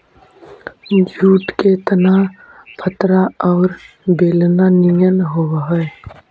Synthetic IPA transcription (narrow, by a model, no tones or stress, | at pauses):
d͡ʒʱuːt̪ket̪əna | pʰət̪ɾaɔːɾ | beːlnanijənɦowɦəe